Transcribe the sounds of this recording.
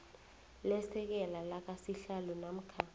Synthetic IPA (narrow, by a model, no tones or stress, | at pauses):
lɛsɛk̬ɛlalak̬ʼasiɬalɔnam̩kʰa